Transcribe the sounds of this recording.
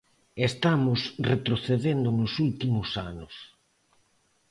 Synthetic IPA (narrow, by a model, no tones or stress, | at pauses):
est̪amʊsret̪ɾoθeðend̪ʊnʊsult̪imʊsanʊs